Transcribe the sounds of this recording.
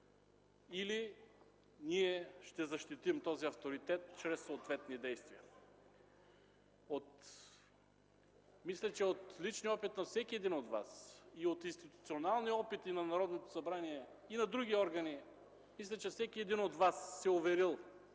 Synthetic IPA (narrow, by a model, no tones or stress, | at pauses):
ili | niɛʃt̪ɛzɐʃt̪it̪imt̪ɔziɐft̪oɾit̪ɛt̪̚t͡ʃɾɛsːoːt̪vɛt̪nid̪ɛjst̪viɐ | ot̪ | mislʲɛt͡ʃɛot̪lit͡ʃniɔpit̪nɐfsɛkʲiɛd̪inod̪va̰siot̪inst̪it̪ut̪sionalˠniɔpit̪inɐnɐɾɔd̪not̪o̥sɐbɾaniɛ | inɐd̪ɾuɡʲiɔɾɡɐni | mislʲɛt͡ʃɛfsɛkʲiɛd̪inod̪vasːɛovɛɾilˠ